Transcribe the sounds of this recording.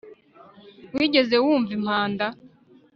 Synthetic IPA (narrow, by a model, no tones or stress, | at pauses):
wiːɟe̞ze̞wuːɱvim̥haːnda